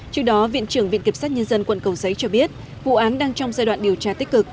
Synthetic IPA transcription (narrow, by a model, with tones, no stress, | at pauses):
t͡ɕɨ˦˥ək̚ɗɔ˨˦vḭ˧˨ənt͡ɕɨ˧˩əŋvḭ˧˨nki˨˩psaː˦˥t̚ɲə˧nzə˧nkwə̰˧˨nkə˨˩wzə˨˦jt͡ɕɔ˧ɓi˦˥ət̚ | vṵ˧˨ʔaː˨˦nɗaː˧ŋt͡ɕɔ˧wŋ͡mzaː˧jwa̰ː˧˨nɗi˨˩əwt͡ɕaː˧t̪i˦˥k̚kɨ˨˩k̚